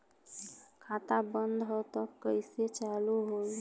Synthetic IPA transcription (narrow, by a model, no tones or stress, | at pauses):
kʰat̪abənd̪ʱɦɔt̪ɔkəɪset͡ʃaluɦol